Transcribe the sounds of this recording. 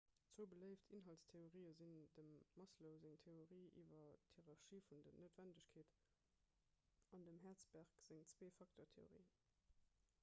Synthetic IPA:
t͡soːbələɪftʰinɦɑltstʰeoʁiːəzindəmːɑsləʊzeŋtʰeoʁiːʔiːvɐtʰheʁɑʁʃiːfundɐnoʊtvændəɕkʰeːt | ɑndəmɦæːɐt͡sb̥æʁkz̥eŋt͡sweːfɑktʰoːtʰeo̰ʁḭː

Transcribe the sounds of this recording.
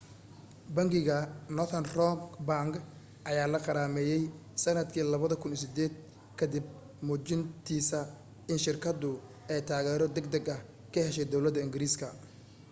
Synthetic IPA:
bɐŋɡɪɣɐnɔθʰɐnrɔŋɡbaŋɡ | ʔɐjaːlɐqɑɾaːmɛːjɛj | sɐnɐd̪kʰiːlɐβɐðɐkʰʊns̬ɪd̪ɛːd̪̚ | kʰɐd̪ɪb̚ | mʊːt͡ʃɪnt̪ʰiːsɐ | ɪnʃɪrkʰɐd̪ʊ | ɛjt̪ʰaːɣɛːɾɔd̪ɛɡ̚d̪ɐɡɐh | kʰɐhɛʃɛjd̪ɔwlɐd̪ːɐɪŋɡɪɾiːskʰɐ

